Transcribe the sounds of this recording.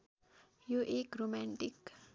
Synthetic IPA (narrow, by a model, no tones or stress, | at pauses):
juʔikɾomãɳʈik